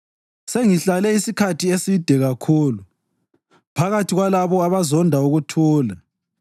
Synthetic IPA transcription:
seŋiɬalɛisikʰatʰiesid̥ʱɛɣakʰuːlu | pʰaɣatʰiɣwalaβɔaβazɔndʱauɣutʰuːla

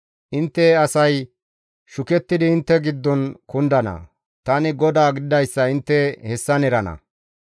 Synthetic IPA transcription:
ʔɪnt̪ːɛɐsɐj | ʃʊkɛt̪ːɪd̪ɪːnt̪ːɛɡɪd̪ːɔnkʊnd̪ɐnɐ̰ | t̪ɐnɪɡɔd̪aːɡɪd̪ɪd̪ɐjsːɐɪnt̪ːɛhɛsːɐnɛɾɐnɐ̰

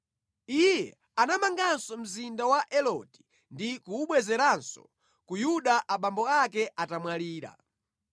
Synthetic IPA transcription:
ijjɛ | anamaŋɡansɔm̩zindawaʔɛlɔti̥ | ndikuːɓwɛzɛɾansɔ̥̰ | kujuɗaʔaɓambɔakɛʔatamwaliːɾa̰

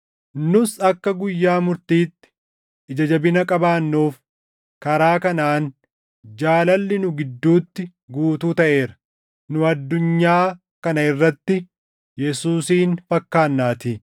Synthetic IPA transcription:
nʊsɐkːɐɡʊjːaːmʊɾt̪iːt̪ːɪ̥ | ʔɪd͡ʒɐd͡ʒɐbɪnɐkʼɐbaːnːoːf | kɐɾaːkɐnaːn | d͡ʒaːlɐlːɪnʊɡɪd̪ːuːt̪ːɪ | ɡuːt̪uːt̪ɐʔe̞ːɾɐ̥ | nʊɐd̪ːʊɲːaː | kɐnɐɪrːɐt̪ːɪ | jɛsuːsiːnfɐkːaːnːaːt̪ɪ

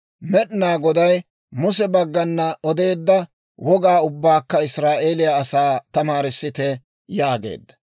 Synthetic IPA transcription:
mɛɗɪnaːɡɔd̪ɐj | mʊsɛbɐɡːɐnːɐɔd̪e̞ːd̪ːɐ | wɔɡaːʊbːaːkːɐɪsɾaːʔeːlɪjaːsaːt̪ɐmaːɾɪsːɪt̪ɛ | jaːɡe̞̰ːd̪ːɐ̥

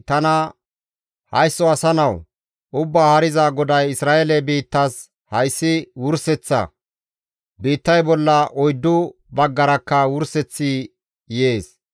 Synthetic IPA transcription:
t̪ɐnɐ | hɐ̰jsːɔɐsɐnɐw | ʔʊbːaːhɐɾɪzaɡɔd̪ɐjɪsɾaːelɛbiːt̪ːɐs | hɐjsːɪwʊɾsɛt͡sːɐ̰ | biːt̪ːɐjbɔlːɐʔɔjd̪ːʊ | bɐɡːɐɾɐkːɐwʊɾsɛt͡sːi | je̞ːs

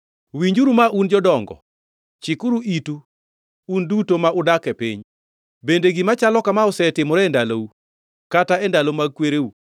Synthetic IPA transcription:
wiɲd͡ʒuɾumaʔund͡ʒɔdɔŋɡɔ̰ | t͡ʃɪkʊɾuʔitu | undutomaʔʊdakɛpḭɲ | bendeɡimat͡ʃalɔkamaʊsɛtɪmɔɾɛɛndalou | kataɛndalomaɡ̚kweɾeu

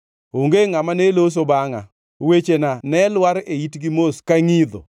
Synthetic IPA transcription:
oŋɡeŋamanelos̬obaŋa̰ | wet͡ʃenanɛlwaɾeitɡimoskaŋid̪o̰

